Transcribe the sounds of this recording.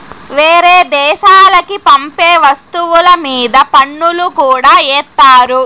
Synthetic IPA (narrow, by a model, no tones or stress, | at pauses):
ʋeːɾeːd̪ɛːʃaːlɐkipɐmpeːʋɐst̪uʋulɐmiːd̪ɐpɐɳːulukuːɽaːɛːt̪ːaːɾu